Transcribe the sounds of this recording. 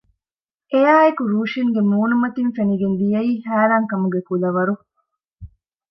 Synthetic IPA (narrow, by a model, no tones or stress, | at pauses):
ʔejaːekuɾuːʃiŋɡemuːnumɐt̪infeniɡenlijɐiːhæːɾaːŋkɐmuɡekulɐʋɐɾu